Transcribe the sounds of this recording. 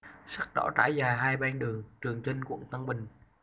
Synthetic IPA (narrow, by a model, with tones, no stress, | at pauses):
sa˦˥k̚ɗɔ̰˧˥t͡ɕa̰ː˧˩jzaː˨˩jɦaː˧jɓɛ˧nɗɨ˨˩əŋt͡ɕɨ˨˩əŋt͡ɕe˧nkṵ˧˩əŋt̪ə˧ŋɓï˨˩ŋ̟